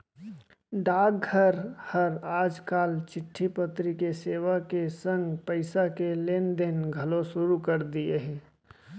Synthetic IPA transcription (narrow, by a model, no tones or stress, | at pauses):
ɖaːɡɡʱəɾhəɾaːd͡ʒkaːlt͡ʃɪʈʰːipət̪ɾikeseːʋakesə̃ŋɡpəɪsakeleːnd̪enɡʱɐlosʊɾukəɾd̪ieɦɛ̃ː